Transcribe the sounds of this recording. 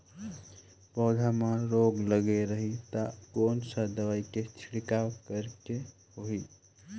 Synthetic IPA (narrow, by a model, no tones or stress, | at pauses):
pɔd̪ʱamãɾoɡləɡeɾəɦit̪əkonsəd̪əʋaiket͡ʃʰɽikawkəɾkehoɦi